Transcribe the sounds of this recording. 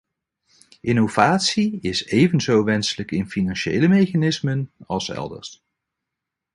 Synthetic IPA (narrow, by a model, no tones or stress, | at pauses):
ʔɪnowv̥aːtsiɪsejvənzowʋɛnsələkɪnfinɑnʃḛjləmejχanɪsmənɑlˠsɛ̰lˠdə̰ɹst